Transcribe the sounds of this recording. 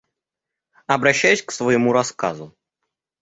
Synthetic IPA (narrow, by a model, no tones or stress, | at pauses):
ɐbɾɐɕːæjʉsʲksvɐjɪmuɾɐska̰zʊ